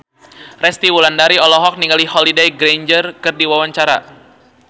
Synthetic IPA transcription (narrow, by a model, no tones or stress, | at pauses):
rɛst̪iwulandaɾiɔlɔɦɔk̚niŋɡalihɔlidejɡɾeɲd͡ʒərkɨrdiwawaɲt͡ʃaɾa̰